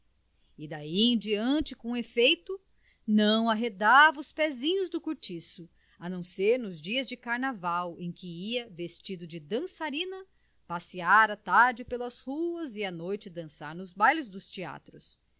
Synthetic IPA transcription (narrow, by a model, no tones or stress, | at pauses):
ɪd̪aiẽd͡ʒiɐ̃nt͡ʃɪkõefejt̪ʊ | nɐ̃w̃aɦed̪avɐʊspɛzĩɲʊzd̪ʊkuɾt͡ʃisʊ | ɐnɐ̃w̃seɾnʊzd͡ʒiɐzd͡ʒɪkaɾnavawẽj̃kɪiɐvest͡ʃid̪ʊd͡ʒɪd̪ɐ̃saɾĩnɐ | pasiaɾat̪aɾd͡ʒɪpelɐzhuɐzɪanojt͡ʃɪd̪ɐ̃saɾnʊzbajlʊzd̪ʊst͡ʃia̰t̪ɾʊs